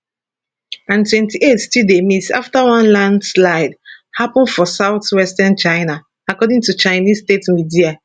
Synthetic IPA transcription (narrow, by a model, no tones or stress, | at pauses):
ãntwɛ̃ntiʔetstildemita̰ftawãnlãndslaɪdhapɔ̃ndfɔsaʊθwɛstãnt͡ʃaɪna | akɔdĩŋtut͡ʃaɪnisstetmidia